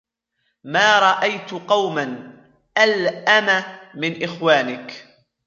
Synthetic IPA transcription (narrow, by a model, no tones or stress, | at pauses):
maːɾˤɑʔajt̪qɑwman | ʔalʔamamɪnʔɪxwaːnɪk